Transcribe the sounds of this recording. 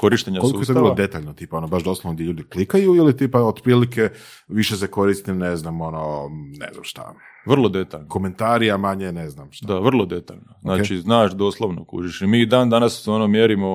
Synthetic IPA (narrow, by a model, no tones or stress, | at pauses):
ko̞ɾiʃt̪eɲakolˠiuk̪oɾlod̪et̪aʎnot̪iːpaonobaʃd̪oslˠoʋnod̪jeʎuːd̪iklikajuilit̪iːpaod̪pɾiːlike | ʋiʃeseko̞ɾist̪ineznamononḛzna̰mʃt̪a̰ | ʋr̩lˠo̞d̪et̪aʎnko̞ment̪aːɾijamaɲeneznamʃt̪dd̪aʋr̩lˠod̪et̪aʎnoznaːt͡ʃiznaːʃd̪oːslˠoʋno̰kṵɾiʃimiːd̪aːnd̪anasːeonomjeɾimo̞